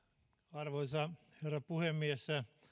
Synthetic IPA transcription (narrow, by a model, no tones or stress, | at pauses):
ɑrʋoisɑ | herːɑpuhemːiesːæ